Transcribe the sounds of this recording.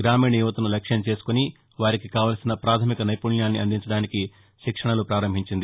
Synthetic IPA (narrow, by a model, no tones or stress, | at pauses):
ɡɾaːmiːɳɐjuːʋɐt̪unulɐkʂjɐmt͡ʃe̞ːsu̥koni | ʋaːɾikikaːʋaːlɐsinɐpɾaːt̪ʰɐmikɐnɐjpuljaːnːiɐnd̪iɲt͡ʃɐɽaːniki | ʃikʂɐɳɐlupɾaːɾɐmbʱiɲt͡ʃind̪i